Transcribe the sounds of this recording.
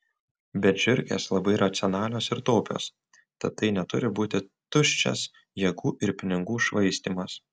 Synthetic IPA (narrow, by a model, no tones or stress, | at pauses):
bʲɛʒʲʊɾʲkʲḛːslˠɐbɐɪɾɐt̪sʲɪɔnɑːlʲoːsɪɾt̪oːpʲo̰ːs | t̪ɐt̪ːɐɪnʲɛt̪ʊɾʲɪbuːt̪ʲɪt̪ʊʃʲt͡ʃʲɛ̰s | jɛɡuːʔɪɾpʲɪnʲɪɡuːʃʋɐɪsʲt̪ʲiːmɐs